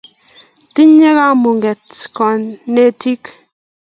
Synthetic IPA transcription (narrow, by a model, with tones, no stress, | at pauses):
ti˦ɲɛ˦ka˦mu˨ŋɡɛ˨tkɔ˨nne˦ti˦k